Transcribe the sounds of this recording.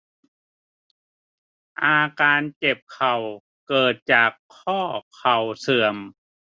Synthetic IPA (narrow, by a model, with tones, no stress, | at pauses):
ʔaː˧kaː˧nt͡ɕe˨˩p̚kʰa˨˩w | kɤː˨˩t̪̚t͡ɕaː˨˩kʰːɔː˥˩kʰa˨˩wsɯ˨˩əm